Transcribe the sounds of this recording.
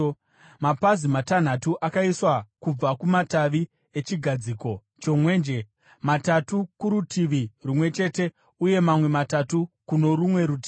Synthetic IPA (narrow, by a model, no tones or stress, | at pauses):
mapazimatan̤atuʔakaiswakub͡vakumataʋi | e̞t͡ʃiɡʱad͡ziːko̞ | t͡ʃo̞mwe̞ːnd͡ʒe | matatukuɾutʰiʋirumwe̞t͡ʃe̞te̞ | uje̞mamwe̞matatukuno̞rumwe̞ɾut̬iːi